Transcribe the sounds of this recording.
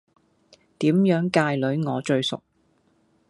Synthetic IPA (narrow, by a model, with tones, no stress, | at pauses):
t̪iː˨˥mjœː˨˥ŋkaː˧jlɵ˨˥ɥŋɔː˨˧t͡ʃɵ˧ɥsʊ̰˨k̚